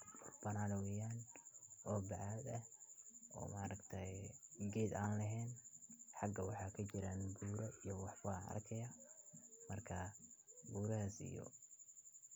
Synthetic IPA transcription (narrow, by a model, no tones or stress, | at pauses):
ʊrbɐnaːlɐwɛːjaːnʔɔːbɑʕɑːd̪ɐ | ɔ̰ːmaːɾɐɡt̪ʰɐjɡɛːd̪aːnlɐɦɛːnħɑɡɐwɑħɑːkʰɐt͡ʃɪɾanɡuːɾɐijɔwɑħfaːɐ̰rkʰɐjɐ | mɐrkʰɐɡuːɾɐhasḭjɔ̰